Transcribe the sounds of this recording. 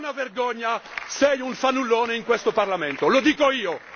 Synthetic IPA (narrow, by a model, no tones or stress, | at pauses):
naverɡɔɲːasɛjuɱfanːulːoːneiŋkwest̪oparlament̪olod̪iːkoiːo